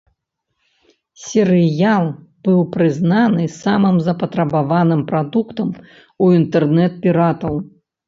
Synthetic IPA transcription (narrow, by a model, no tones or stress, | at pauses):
sʲɛɾɨjalˠb̥ɨwpɾɨznanɨsamɨmzɐpɐt̪ɾɐbavanɨmpɾad̪ukt̪ɐm | uint̪ɛrnɛt̪̚pʲiɾat̪ɐw